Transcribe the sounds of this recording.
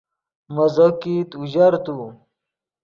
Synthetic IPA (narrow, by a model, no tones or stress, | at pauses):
mɐzokit̪uʑɐɾt̪u